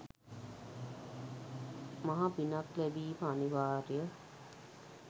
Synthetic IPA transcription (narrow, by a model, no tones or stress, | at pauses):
maɦabinaklɛbiːməaniʋaːɾjə